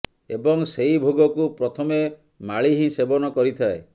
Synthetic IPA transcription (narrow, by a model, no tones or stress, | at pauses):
ebɔŋseibʱoɡɔkupɾɔt̪ʰɔme | maɭiɦĩsebɔnɔkɔɾit̪ʰae